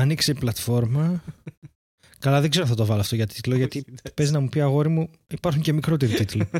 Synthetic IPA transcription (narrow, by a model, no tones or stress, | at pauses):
ɐnikseiplɐt̪fo̞ɾmɐ | kɐlɐðeɡzeoθɐt̪ovɐloɐft̪oʝɐt̪ʰi̥t̪loʝɐt̪ipe̞znɐmupiɐɣo̞ɾimu | ipɐɾxuɲce̞mikɾot̪eɾit̪it̪lo